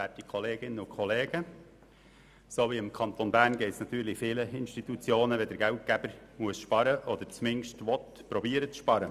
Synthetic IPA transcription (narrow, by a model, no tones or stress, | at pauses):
ætikʰχɔleːɡɪnəʊkʰχɔleːɡ̥ə | soːʋiɪmkʰɑnt̪onbæːrnɡɛɪt̪snɑt̪yːɾlɪfɪːləɪnʃtit̪ut͡sjoːnəʋɛd̪əɾɡæʊt̚kæb̥əɾmuəsʃpɑɾəʔɔd̪əɾt͡smɪnʃtʋɔt̪ | pɾɔbiːəɾət͡sʃpɑɾə